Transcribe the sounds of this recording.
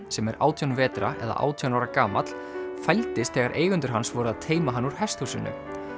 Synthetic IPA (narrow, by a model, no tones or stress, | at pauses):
sɛmɛɾa̰ːwt̪ʰjɔwnvɛːt̪ɾa̰ʔɛ̰ða̰ʔa̰ːwt̪ʰjɔwnawɾakaːmat̪l̥ | fajlt̪ɪst̪θɛːɣaɾʔeːjɣʏnt̪ʏɾ̥ɦansvɔɾʏaðt̪ʰeːjmaɦanːuɾ̥hɛst̪husɪnːʏ̰